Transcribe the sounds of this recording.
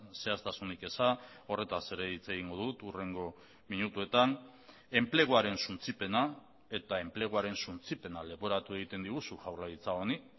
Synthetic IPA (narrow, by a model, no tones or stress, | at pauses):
se̞ast̪asunike̞sa | o̞re̞t̪ase̞ɾe̞it͡se̞ɣ̞iŋɡo̞ðut̪ure̞ŋɡo̞ | miɲut̪ue̞t̪an | e̞mple̞ɣ̞oaɾe̞nsunt͡sipe̞na | e̞t̪ae̞mple̞ɣ̞oaɾe̞nsunt͡sipe̞nale̞βo̞ɾat̪ue̞ɣ̞it̪e̞nd̪iɣ̞usuʝawrlaðit͡sao̞ni